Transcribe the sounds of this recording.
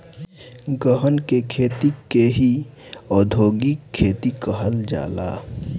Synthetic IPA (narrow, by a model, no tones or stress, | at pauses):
ɡəɦənkekʰeːt̪ikeɦi | ɔːd̪ʱoːɡikʰːeːt̪ikəɦəld͡ʒa̰ːla̰ː